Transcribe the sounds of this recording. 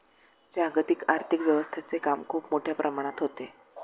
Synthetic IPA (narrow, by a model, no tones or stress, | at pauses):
d͡ʑaɡt̪ikaɾt̪ʰikʋjəʋəst̪ʰet͡sekamkʰuːpmoʈʰjapɾʔəmaɽ̃at̪ɦot̪e